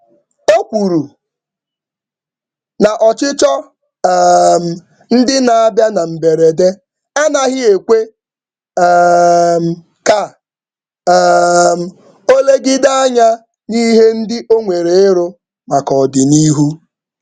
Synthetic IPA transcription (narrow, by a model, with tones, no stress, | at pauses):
o˦kʷu˨ɾu˨ | na˨ʔɔ˨t͡ʃɪ˦t͡ʃɔ˦ | m̩˨ | n̩˦dɪ˦na˨a˦bja˦na˨m̩˨be˨ɾe˨de˦ | a˦na˨ɣɪ˦e˨kʷe˦ | m̩˨ | ka˨˦ | m̩˨ | o˦le˦ɡɪ˦da˦a˦ɲa˦ | ni˦ɦe˦n̩˦dɪ˦ʔo˦ŋʷe˨ɾe˨ɪ˦ɾo˦ | ma˨kɔ˨dɪ˨ni˦ɦu˦